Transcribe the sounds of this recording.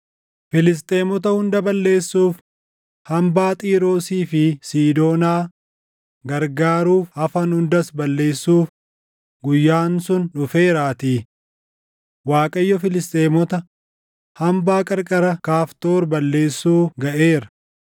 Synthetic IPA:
fɪlɪs̬t̪ʼeːmɔt̪̬ɐhʊnd̪ɐbɐlːe̞ːsːuːf | hɐmbaːt̪ʼiːɾo̞ːsiːfɪsiːd̪o̞ːnaː | ɡɐɾɡaːɾuːfhɐfɐnhʊnd̪ɐsbɐlːe̞ːsːuːf | ɡʊjːaːnsʊnᶑʊfe̞ːɾaːt̪iː | waːkʼɐjːɔfɪlɪst̪ʼeːmɔt̪ɐ | hɐmbaːkʼɐɾkʼɐɾɐkaːft̪o̞ːɾbɐlːe̞ːsːuːɡɐʔe̞ːɾɐ

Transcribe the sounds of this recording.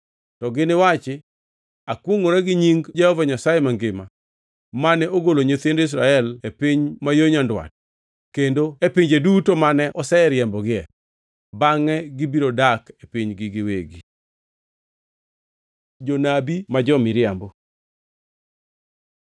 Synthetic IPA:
tɔɡɪnɪwat͡ʃɪ | akwoŋoɾɛɡɪɲiŋɡd͡ʒɛhɔvaɲasajemaŋɡɪma | manɛʔoɡoloɲot̪endis̬ɾaɛlepɪɲmajoɲandwa̰t̚ | kendoepiɲd͡ʒedutomanɛʔɔsɛɛɾjɛmbɔɡɪɛ | baŋɛɡɪbiɾodakepiɲɡɪɡɪwḛɡi | d͡ʒonabimad͡ʒɔmɪɾjɛmbɔ

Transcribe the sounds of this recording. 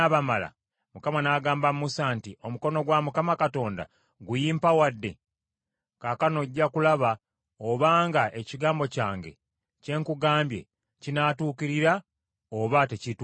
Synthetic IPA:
aβamala̰ | mukamanaːɡaːmbammusantiʔo̞muko̞no̞ɡwamukamakato̞ːnda̰ | ɡujiːmpawadːe̞̰ | kaːkano̞ɟːakulaβa | oβaːŋɡaʔe̞ciɡaːmbo̞caːŋɡe̞̰ | ce̞ːŋkuɡaːmbje̞̰ | cinaːtuːkiɾiɾa | oβatecit

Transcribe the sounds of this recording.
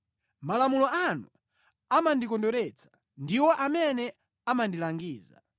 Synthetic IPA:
malamulɔanu | amandikɔndɔɾɛt͡sʰḁ | ndiwɔʔamɛnɛ | amandilaŋɡiːza̰

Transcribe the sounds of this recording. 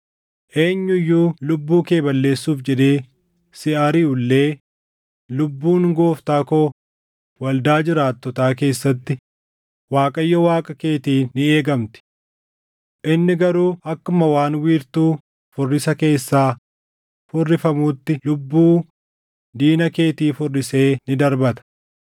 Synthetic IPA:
ʔe̞ːɲːʊjːuːlʊbːuːke̞ːbɐlːe̞ːsːuːfd͡ʒɛd̪e̞ː | sɪʔaːɾiːʊlːe̞ː | lʊbːuːnɡo̞ːft̪aːkoː | wɐld̪aːd͡ʒɪɾaːt̪ːɔt̪aːk̬e̞ːsːɐt̪ːɪ | waːkʼɐjːɐwaːkʼɐke̞ːt̪iːnːɪe̞ːɡɐmt̪ɪ̥ | ʔɪnːɪɡɐɾuːʔɐkːʊmɐwaːnwiːɾt̪uː | fʊrːɪsɐke̞ːsːaː | fʊrːɪfɐmuːt̪ːɪlʊbːuː | d̪iːnɐke̞ːt̪iːfʊrːɪse̞ːnɪd̪ɐɾbɐt̪ɐ̥

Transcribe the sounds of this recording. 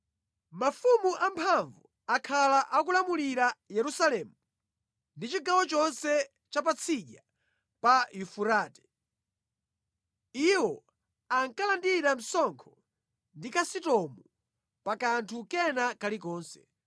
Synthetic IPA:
mafumuʔampʰaɱvu | akʰalaʔakulamuliɾajɛɾusalɛːmu | ndit͡ʃiɡawɔt͡ʃɔnsɛ | t͡ʃap̬at͡sʰiʄa | pajufuɾaːtɛ̥ | iwɔ | aŋkalandiɾam̩sɔŋkʰɔ | ndikasitɔmu | pakantʰukɛnakalikɔːnsɛ̥̰

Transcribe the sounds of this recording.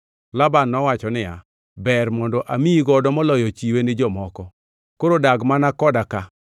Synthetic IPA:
labanːɔwat͡ʃɔnɪja̰ | bɛrmɔndɔʔamiiɡɔdɔmɔlɔjɔt͡ʃiwenɪd͡ʒɔmɔkɔ | koɾodaɡmanakɔdaka

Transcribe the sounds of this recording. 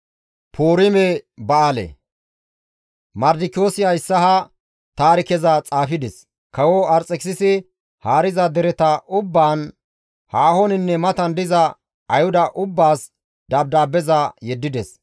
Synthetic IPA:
pʰoːɾɪmɛbɐalɛ̰ | mɐɾd̪ɪkɪjoːsɪɐjɪsːɐhɐ | t̪aːɾɪkɛzɐt͡sʼaːfɪd̪ɛs | kɐwɔɐɾt͡sʼːɛksɪsɪ | haːɾɪzɐd̪ɛɾɛt̪ɐʔʊbːaːn | haːhonɪnːɛmɐt̪ɐnd̪ɪzɐ | ɐjhʊd̪ɐʔʊbːaːs | d̪ɐb̚d̪aːbːɛzɐjɛd̪ːɪd̪ɛs

